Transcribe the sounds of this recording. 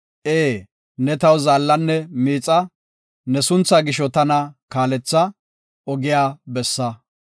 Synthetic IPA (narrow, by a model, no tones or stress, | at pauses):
ʔeː | nɛt̪ɐwzaːlːɐnːɛmiːt͡sʼɐ | nɛsʊnt͡sːaɡɪʃɔt̪ɐnɐkaːlɛt͡sːɐ | ɔɡɪjaːbɛsːɐ